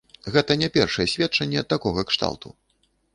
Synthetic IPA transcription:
ɣɛt̪ɐnʲɛpʲɛrʂɐjɛsʲvʲɛt̚t͡ʂɐnʲːɛt̪akɔɣɐkʂt̪a̰wˠt̪ṵ

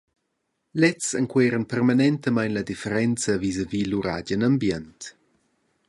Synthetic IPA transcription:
lɛt͡səŋkweɾənpɛrmanɛntəmajnlədifəɾɛnt͡səvizəviːluɾa̰ɟənambjɛnt

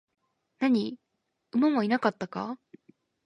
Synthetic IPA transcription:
naɲ̟i | ɯmamoinakat̪ːaka̰

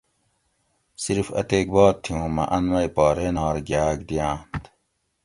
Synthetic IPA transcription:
siɾfɐ̰t̪eːk̚baːt̪̚t̪ʰːiũːmɐ̰ʔɐnʋɐjpaːɾenaːɾɡjaːɡd̪ijãːnt̪

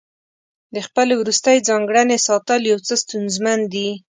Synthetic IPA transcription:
d̪əxpəlewɾust̪ajd͡zɑŋɡɽanesɑt̪əljawt͡səst̪unzmand̪i

